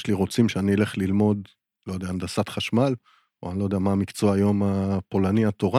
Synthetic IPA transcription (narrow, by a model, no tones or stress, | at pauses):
ʃliʁo̞t͡simʃeaniele̞χlilmo̞d̪ | lojd̪eaːnd̪asat̪χaʃmal | oanilo̞jd̪eamaːmikt͡so̞ajo̞mapo̞laniat̪o̞ʁa